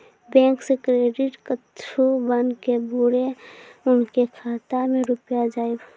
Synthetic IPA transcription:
bɛ̃ːŋksekɾeːɖɪʈkətt͡ʃʃʰobənkebuɽeʊnkekʰaːt̪amẽɾʊpjad͡ʒaːib

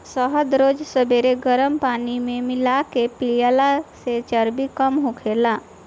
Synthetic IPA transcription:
səɦəd̪ɾod͡ʒsəbeɾeɡəɾəmpanimemɪlakepiljalaset͡ʃəɾbikəmɦõkʰela

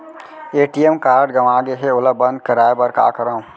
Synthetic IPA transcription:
eːʈiemkaːɾɖɡɐʋaːɡeɦeʊləbɐ̃nd̪̚kəɾaːebɐɾka̰ːkəɾaũ

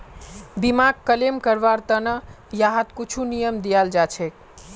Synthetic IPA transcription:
bimaɡkəlemkəɾʋaɾt̪ənə | jaɦat̪kut͡ʃʰunijəmd̪ijald͡ʒat͡ʃʰek̚

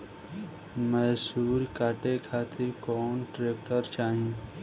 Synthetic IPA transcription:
mɛɦsuːɾkaːʈekʰaːt̪ɪɾkɔːnʈɾeːk̚ʈəɾt͡ʃaːɦi

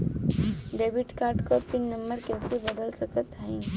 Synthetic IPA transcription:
ɖeːbɪʈkaːɾʈkopɪnːə̃mbəɾkekibɐd̪əlsəkət̪aĩː

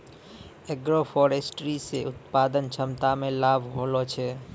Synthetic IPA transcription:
eɡɾopʰɔːɾeːsʈɾiseʔʊt̪paːd̪ənt͡ʃʰəmt̪amẽlaːbʱɦolot͡ʃʰɛː

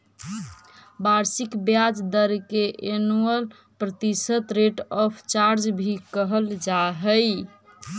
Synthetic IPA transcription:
baɾsikbjad͡ʒd̪əɾkeʔenuəl | pɾət̪isət̪ɾeʈɔpʰt͡ʃaɾd͡ʒbʱikəɦəld͡ʒaɦəj

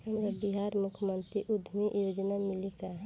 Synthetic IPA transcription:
ɦəmɾabiɦaːɾmʊkʰmənt̪ɾiʔud̪ʱmiʔjod͡ʒnamɪlikaɦ

